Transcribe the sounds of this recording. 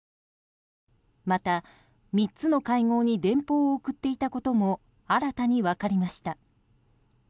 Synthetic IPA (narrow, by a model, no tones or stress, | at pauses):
mat̪a | mʲitt͡sɨno̞kaiŋo̞ːɲ̟id̪ẽ̞mpo̞ːkɯ̟t̪ːe̞it̪ako̞t̪o̞mo̞ | aɾat̪aɲ̟iβakaɾʲimaɕi̥t̪a